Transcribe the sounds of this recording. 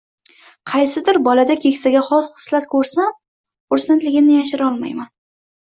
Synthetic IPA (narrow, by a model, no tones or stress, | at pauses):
qʰɑjsɪd̪ɪɾbɒlad̪akʲʰe̞kʲsaɡʲaχɒzqɨ̥slat̪kʰɵɾsam | ʊɾst̪ant̪lɪɡʲɪmnɪjaʃ̬ɪɾɒlˠma̰jman